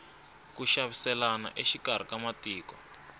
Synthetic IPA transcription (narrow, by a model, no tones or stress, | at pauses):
kuʃaβisɛlana̰ʔeʃikar̤ikamatiːkɔ